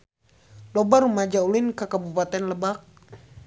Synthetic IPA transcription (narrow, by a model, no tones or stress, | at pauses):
lɔbaɾumad͡ʒaulinkakabupat̪ɛnləbak̚